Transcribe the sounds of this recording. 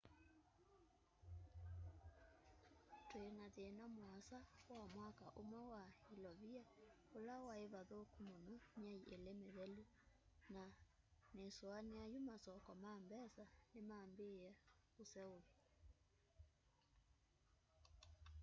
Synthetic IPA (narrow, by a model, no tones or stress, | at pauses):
tweenaðeːnamwasawamwakaʔomwawailɔβia | olawaeβaðokumonomaiʔelemeðɛlu | na | nesoaneajumasɔkɔmambɛsanemambea | osɛoβi